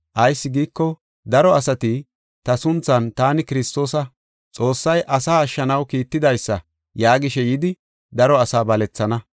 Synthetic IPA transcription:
ʔɐjsːɪɡiːkːɔ | d̪ɐɾɔɐsɐt̪ɪ | t̪ɐsʊnt͡sːɐnt̪aːnɪkɪɾɪst̪o̞ːsɐ | t͡sʼo̞ːsːɐjʔɐsaːɐʃːɐnɐwkiːt̪ːɪd̪ɐjsːɐ | jaːɡɪʃɛjɪd̪ɪ | d̪ɐɾɔɐsaːbɐlɛt͡sːɐnɐ

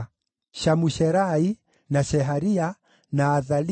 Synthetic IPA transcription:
ʃamuʃɛɾai | naʃɛɦaɾia | naːðal

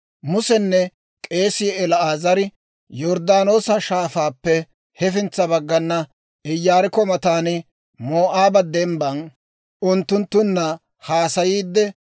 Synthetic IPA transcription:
mʊsɛnːɛ | kʼe̞ːsɪɛlɐaːzɐɾɪ | jɔɾd̪aːno̞ːsɐʃaːfaːpːɛ | hɛfɪnt͡sːɐbɐɡːɐnːɐ | ɪjːaːɾɪkɔmɐt̪aːnɪ | mo̞ːʔaːbɐd̪ɛmbɐn | ʔʊnt̪ːʊnt̪ːʊnːɐ | haːsɐjiːd̪ːɛ

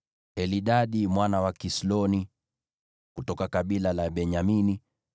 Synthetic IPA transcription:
ɛliɗaɗimwanawakislɔni | kutɔkakaɓilalaɓɛɲamini

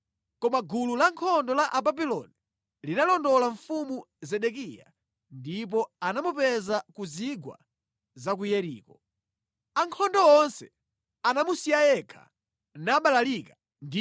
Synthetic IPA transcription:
kɔmaɡululaŋkʰɔndɔlaʔababilɔ̰ni | linalɔndɔlaɱfumu | zɛɗɛk̬ija̰ | ndip̬ɔanamupɛzakuziɡwa̰ | zak̬ujɛɾḭːkɔ | aŋkʰɔndɔɔnsɛ̥ | anamusijajɛkʰa̰ | naɓalalika | ndi

